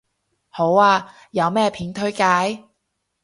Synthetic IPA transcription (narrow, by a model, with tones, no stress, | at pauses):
ho˨˥waː˧ | jɐ˨˧wmɛː˥˩pʰiː˨˥nt̪ʰɵ˥ɥkaː˨˥j